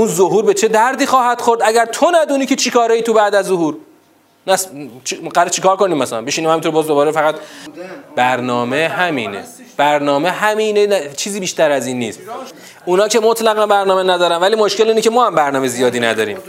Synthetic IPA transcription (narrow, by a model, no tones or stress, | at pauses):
ʔunzoɦuːɾbe̞t͡ʃʰe̞d̪æɾd̪iːxɒːhæd̪xoɾd̪æɟæɾt̪ʰo̞næd̪uːniːcʰe̞t͡ʃʰikʰɒːɾɒiːt̪ʰubæd̪æzːoɦuːɾ | næst͡ʃʰɢæɾt͡ʃʰikʰɒːɾko̞niːmːæsælæ̰mbeʃiniːmhæmit̪oɾbɒːzd̪obɒːɾefæɣæt̪ | b̥æɾnɒːmehæmiːnḛ | b̥æɾnɒːmeɦæmineæt͡ʃʰiːziːbiːʃt̪æɾæziːnːiːst̪ | unɒːcʰe̞mot̪ʰlæɣænbæɾnɒːmenæd̪ɒːɾænvæliːmoʃke̞liːnecemɒːhæmbæɾnɒːmezijɒːd̪iːnæd̪ɒːɾḭːm